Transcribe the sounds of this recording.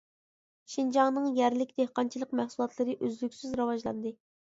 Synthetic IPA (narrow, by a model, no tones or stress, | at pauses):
ʃind͡ʒɑŋnɨŋjɛɾlɪkʲd̪ehqɑnt͡ʃʰilˠəqmæhsulˠɑt̪ʰlˠɨɾɨʔøzlykʲsyzɾɑwɑʒlˠɑ̰nd̪ɨ